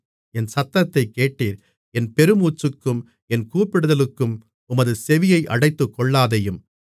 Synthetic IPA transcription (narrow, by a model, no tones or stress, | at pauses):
ɛnsɐt̪ːɐt̪ːɐɪkːeːʈːiːɾ | ɛnpɛɾɯmuːt͡ʃːɯkːɯm | ɛnkuːpːɪɽɯðɐlɯkːɯm | ʊmɐðɯsɛʋɪjɐɪʔɐ̰ɽɐɪt̪ːɯkːɔɭːaːðɐjɯm